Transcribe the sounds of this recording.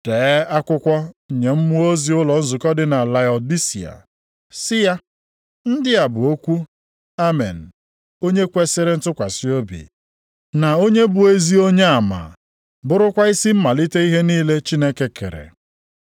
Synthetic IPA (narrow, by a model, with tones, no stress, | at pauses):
te˨˦a˦kʷʊ˦kʷɔ˦˨ɲe˨m̩˦mʊ˦o˦zi˨˦ʊ˦lɔ˨n̩˦zʊ˨kɔ˦dɪ˨na˨la˨ɔ˨di˦sḭ˨a̰˨ | sɪ˦ja˦ | n̩˦dɪ˦a˨bʊ˨o˦kʷu˦ | a˦mḛ˨n̩˨ | o˦ɲe˦kʷe˦sɪ˦ɾe˦n̩˦tʊ˦kʷa˨si˦o˦bḭ˨ | na˨o˦ɲe˦bʊ˨e˦zi˦o˦ɲe˦a˨ma̰˨ | bʊ˦ɾʊ˦kʷa˦i˦si˦m̩˦ma˨li˦te˦i˦ɦe˦niː˦le˦t͡ʃi˦ne˦ke˦kḛ˨ɾḛ˨